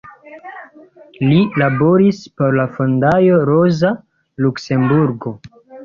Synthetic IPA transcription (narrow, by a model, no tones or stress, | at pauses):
lilabo̞ɾispo̞ɾlafondajo̞ɾoza | lukse̞mbuɾɡo̞